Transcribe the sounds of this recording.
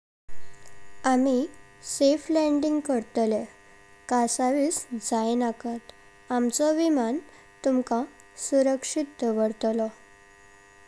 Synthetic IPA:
ami | seflɛɳɖiŋɡkəɾt̪le | kasaʋiːsd͡zajnakat̪ | amt͡sɔʋiman | t̪umka | suɾəkʂit̪ːəʋəɽt̪lɔ

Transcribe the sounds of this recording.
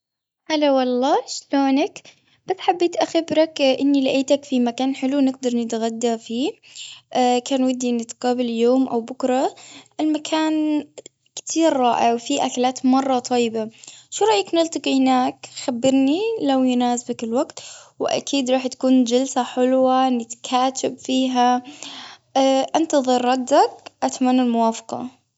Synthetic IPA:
ħalawɑlˤːɑːʃloːnak | b̥asːħabːeːt̪ʔaxɪbɾɑkʔɪnːilaʔeːt̪akfimakaːnħɪluwnɪɡ̚d̪ɑɾˤnɪt̪ɣad̪ːafiːʔkaːnwad̪ːiʔnɪt̪qɑːbɪljoːmʔawbʊkɾˤɑʔɪlmakʰaːn | kt̪ʰiːɾːɑːʔawfiʔaklaːt̪mɑrˤːɑt̪ˤʰɑjːɪbaʃuːɾˤɑʔjːaknɪlt̪ˤɑqihnaːkxabːɪɾnilawjʊnaːsbakɪlwaɡt̪wɪʔa̰kʰiːd̪ɾˤɑːħt̪ḁkuːnd͡ʒalsaħɪlwanɪt̪kʰaːt̪ʰɪbfiːɦa | ʔɪnt̪ɑðˤɨɾˤːɑd̪ːakʔat̪manːalmʊwaːfɑ̥qɑ̰

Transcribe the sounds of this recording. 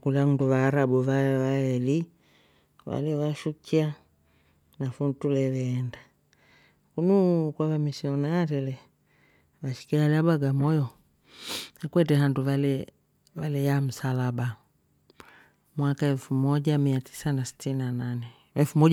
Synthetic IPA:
kulaŋunduβaːɾabuvaʋaɛli | ʋa̰lɛwaʃukʰia | nafuntulɛβɛːnda | kunukwaβamisiɔnaːɾɛlɛ | βaʃi̥kialabaɡamɔjɔ | hakwɛtɛɦanduvalɛ | βalɛjam̩salaba | mwakaɛlfumɔɟamiatʰi̥sanasi̥tiniananɛ | ɛlfumɔ

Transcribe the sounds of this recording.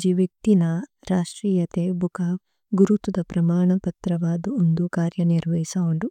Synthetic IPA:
d͡ʒiʋjɐk̚t̪inɐ | ɾaːʂʈɾiːjɐt̪ebʱukaːʋ | ɡuɾut̪ud̪ɐpɾɐmaːɳɐpɐt̪ɾɐʋaːd̪uond̪ukaːɾjɐniɾʋɐjisɐoɳɖu

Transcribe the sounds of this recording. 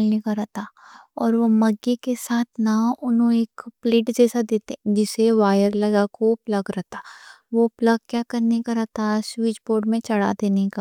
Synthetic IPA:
lnekaɾɛɦt̪aɔːɾʋomɐɡːekesaːt̪ʰnaʊnɦõeːkpleːʈd͡ʒɛːsad̪eːt̪ed͡ʒɪseʋaːjəɾlɐɡakoplɐɡɾɛɦt̪aʋopləɡ̚kjakɐɾnekaɾɛɦt̪aswiːd͡ʒboːɾɖmẽt͡ʃɐɽ̤a̰d̪eːneka

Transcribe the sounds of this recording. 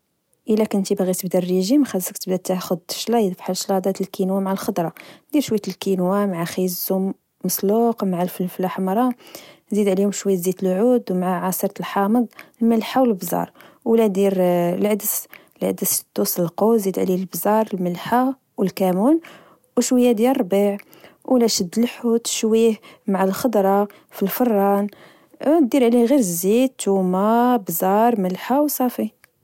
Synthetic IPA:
ʔəlækənt̪ibɣit̪əbd̪æreʒimxæzəkt̪əbd̪æt̪axʊd̪ʃlɑjd̪fħalʃlɑd̪ˤɑt̪əlkinwamʕalxəd̪ɾˤɑd̪iɾʃwæjt̪lkinwamʕaxizzumː | əsˤluqmʕalflflaħmɾˤɑzid̪ʕlihʊmʃwæjət̪zit̪əlʕud̪wmʕaʕɑsəɾt̪əlħɑməd̪̚ˤəlməlħawəlbzɑ̰ɾˤwlæd̪iɾlʕəd̪əs | lʕə̰d̪əst̪ːusəlqozid̪ʕlilbzɑɾˤəlməlħa | wəlkæmun | wʃwəjːad̪jæɾˤbiʕ | wlæʃəd̪ːlħut̪ʃwihmaʕalxɑd̪ɾˤɑ | filfərˤːɑn | d̪iɾʕliɣiɾəzid̪̚t̪umabzɑɾˤməlħawsˤɑfi

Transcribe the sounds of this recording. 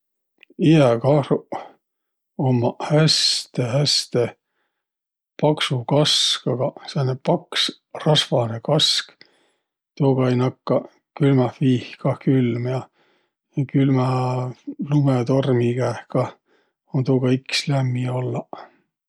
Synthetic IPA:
iækɑhruʔ | omːɑhæst̪ehæst̪e | pɑksukɑskɑɡ̥ɑsenːepɑks | rɑsvɑnekɑsk | t̪uːɡ̥ɑjnɑkːɑ | kylmɑfiːhkɑhkylmjɑ | jɑkylmɑ | lumet̪o̞rmiɡ̥æːhkɑh | ont̪uːɡ̥ɑikslæmːiolːɑ

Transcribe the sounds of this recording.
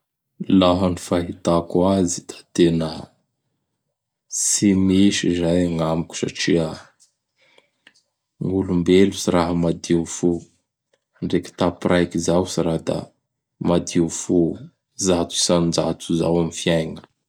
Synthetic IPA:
laɦanifaɦit̪akuazit̪ḁt̪enə | simiʃizajaŋamikʲu̥sa̰ʈ͡ʂia | ŋulumbelusiraɦəmad̪iufu | ɳɖ͡ʐeki̥t̪apirʔajkizawsiɾad̪a̰ | mad̪iufu | zat͡s̪u̥sand͡zat̪uzawamifiajŋə̥

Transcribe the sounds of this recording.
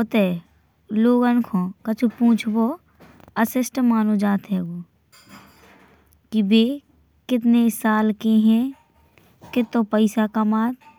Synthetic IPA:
ot̪e | loːɡɐnkʰõːkɐt͡ʃʰupũːt͡ʃʰbo | ɐsɪsʈmaːnod͡ʒaːt̪ɦɛːɡoː | kibeː | kɪt̪̬nesaːlkeɦɛ̃ | kɪt̪õpəɪsakɐmaːt̪

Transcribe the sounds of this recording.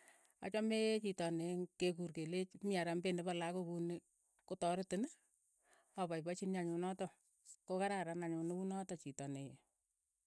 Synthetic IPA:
a̰t͡ʃɔmet͡ʃitɔneŋkekurkelet͡ʃmiaɾambenepalakokune | kotɔɾɪtɪn | ɔpajpat͡ʃinɲaɲʊnɔtɔ | kokaɾaɾanaɲʊnɪkunɔtɔt͡ʃitɔneje

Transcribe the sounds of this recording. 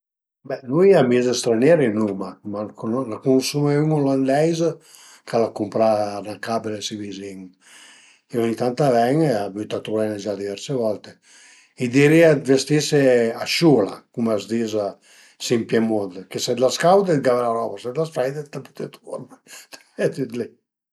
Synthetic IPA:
bɛnuiamizest̪ɾanjɛɾinumamakonlakunsumeymoland̪ɛjz | kʰalakumpɾanakabelesiviziŋ | ionit̪ant̪avɛŋeabyt̪at̪ɾuɛned͡ʒad̪ivɛɾsevɔlt̪e | id̪iɾiad̪vest̪iseaʃula̰kumazd̪iza | simpjɛmond̪kesɛd̪laskawd̪ed̪ɡavɾaɾɔbasɛd̪lasfɛjd̪et̪aput̪et̪uoɾnt̪ | ɛt̪yt̪li

